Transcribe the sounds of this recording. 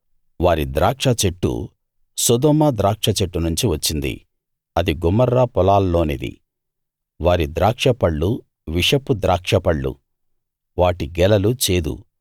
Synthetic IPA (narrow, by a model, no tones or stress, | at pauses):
ʋaːɾid̪ɾaːkʂɐt͡ʃeʈːṵ | sɔd̪ɔːmɐd̪ɾaːkʂɐt͡ʃeʈːunuɲt͡ʃiʋɐt͡ʃːind̪ḭ | ɐd̪iɡumːɐɾːapɔlaːlːo̞ːnḭd̪ḭ | ʋaːɾid̪ɾaːkʂɐpɐɭːu | ʋiʂɐpud̪ɾaːkʂɐpɐɭːṵ | ʋaːʈiɡɛlɐlut͡ʃeːd̪ṵ